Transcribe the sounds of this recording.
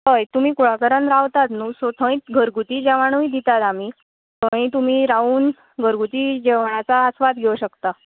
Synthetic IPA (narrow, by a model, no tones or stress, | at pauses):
ɦəjt̪um̤iːkuɽ̤akəɾənɾaʋt̪at̪nuːsot̪ʰə̃it̪̚ɡʱəɾɡut̪iːd͡ʑaʋaɳ̃uĩd̪it̪at̪am̤i | t̪ʰə̃ĩt̪um̤iːɾauːn | ɡʱəɾɡut̪iːd͡ʑeʋaɳ̃at͡saəsʋad̪ɡʱeuɕəkt̪a